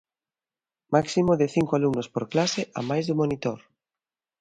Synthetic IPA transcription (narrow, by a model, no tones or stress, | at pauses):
maksimoðɪθiŋkoalumnospoɾklasɪʔa̰majzðumonit̪oɾ